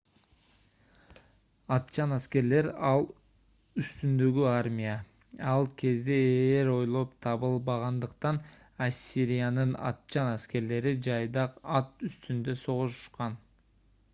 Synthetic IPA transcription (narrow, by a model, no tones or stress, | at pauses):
ɑt̪t͡ʃɑnæske̞ɾle̞ɾɑlˠ | yst̪ynd̪ø̞ɡyaɾmʲija | ɑlˠkʰe̞zd̪eeɾo̞jlˠo̞pt̪ʰɑβɯlˠbɑʁɑnd̪ɯqt̪ɑn | asʲːiɾijanɯnɑ̰t̪̚t͡ʃɑnæske̞ɾle̞ɾid͡ʒɑjd̪ɑqɑt̪yst̪ynd̪ø̞so̞ʁuʃu̥ʃqɑn